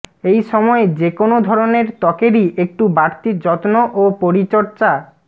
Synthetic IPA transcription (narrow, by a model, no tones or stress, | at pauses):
ejʃɔmɔed͡ʑekonod̪ʱɔɾoneɾt̪ɔkeɾiʔek̚ʈubaɾt̪id͡ʑɔt̪noʔopoɾit͡ɕɔɾt͡ɕa